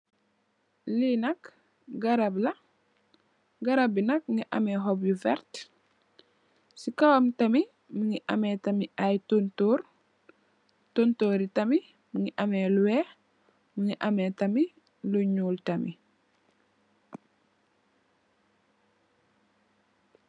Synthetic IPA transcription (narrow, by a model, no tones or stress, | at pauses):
linɐk | ɡɐɾablɐ | ɡɐɾabinɐk̚ŋiʔɐ̰meɦobjuvɛ̰ɾt | sikawamtɐmi | muŋiʔɐ̰metɐmiajtontoːɾ | tontoɾitɐmi | muŋiʔɐmeluwe | muŋiʔɐmetɐmi | luɲuːltɐmḭ